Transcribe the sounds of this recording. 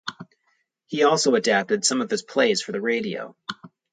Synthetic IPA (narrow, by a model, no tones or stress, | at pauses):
hiɔlˠsoʊɨdæp̚tɨd̥sʌ̃mʌv̥ɨz̥pʰl̥eɪz̥fə˞ðɨɹeɪɾio̰ʊ